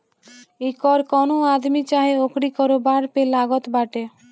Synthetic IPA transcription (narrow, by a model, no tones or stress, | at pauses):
ekɔɾkɔnoad̪mit͡ɕaɦeokɽikɔɾobaɾpelaɡot̪baʈe